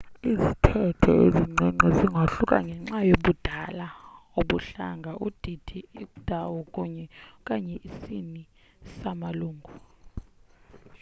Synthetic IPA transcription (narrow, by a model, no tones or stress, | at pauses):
izitʰɛtʰɔ̰eziŋ͡ǀɛŋ͡ǀɛziŋɡʱaɬukʼa̰ŋɡʱɛŋ͡ǁajoɓud̥ʱalaoɓuɬaŋɡʱaʔud̥ʱid̥ʰʱiikʼud̥ʱawɔkʼuɲɛkʼaɲɛʔisini | samaluːŋɡʱu